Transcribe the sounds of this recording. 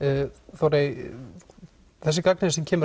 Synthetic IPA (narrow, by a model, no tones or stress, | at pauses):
θawɾej | θɛsːɪkak̚nɪsɛmcʰɛːmʏ